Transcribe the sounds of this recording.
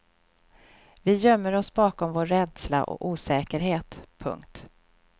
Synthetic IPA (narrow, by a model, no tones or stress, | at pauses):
vɪjœmːəɾɔsbɑːkɔmvoːɾːɛd̪sla̰ʔɔ̰ʔuːsɛːkəɾɦeːt̪pʰɵ̰ŋkt̪